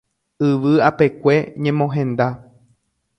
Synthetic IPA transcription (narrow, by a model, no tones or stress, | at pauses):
ɨʋɨape̞kʷe̞ɲẽmõɦẽ̞nd̪a